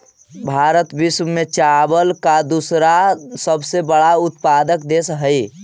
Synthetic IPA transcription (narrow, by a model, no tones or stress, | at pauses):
bʱaɾət̪bismmet͡ʃabəlkad̪usɾasəbsebəɽaut̪pad̪əkd̪esɦəj